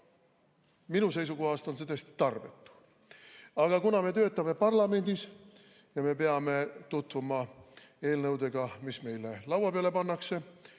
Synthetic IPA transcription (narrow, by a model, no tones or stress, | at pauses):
minuse̞js̬ukoɦɑst̪o̞ns̬et̪øːst̪i̥t̪ɑrve̞t̪ːu̥ | ɑɡ̥ɑkunɑme̞t̪ø̞ːt̪ːˑɑme̞pɑrlɑme̞nʲd̪̥is | jɑme̞peɑme̞t̪ut̪vumɑ | e̞ːlnɤwd̪e̞ɡ̥ɑmisme̞jle̞lɑwɑpeɑle̞pɑnːɑkse̞